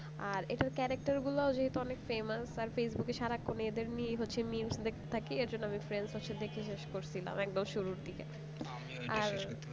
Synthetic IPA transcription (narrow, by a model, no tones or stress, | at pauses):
aɾeʈaɾkɛɾak̚ʈaɾɡulaod͡ʑeɦet̪uɔnekfemasaɾfesbukeʃaɾakːoneed̪eɾnieɦotːɕʰemilsd̪ekʰt̪et̪ʰakeeɾd͡ʑonːoamifɾensɦotːɕʰed̪ekʰeʃeʃkoɾt͡ɕʰila̰mɛk̚d̪omʃuɾuɾd̪ike | aɾ